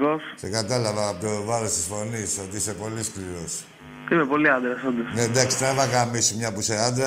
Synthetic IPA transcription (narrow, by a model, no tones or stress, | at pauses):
kosse̞kat̪ɐlɐvɐːpot̪ovɐɾo̞st̪isfo̞niso̞t̪iisepo̞liskliɾo̞s | imepo̞liɐnd̪ɾɐsond̪ɐsned̪ɐksi̥t̪ɐifɐkamisimɲɐpuseɐnd̪ɾɐ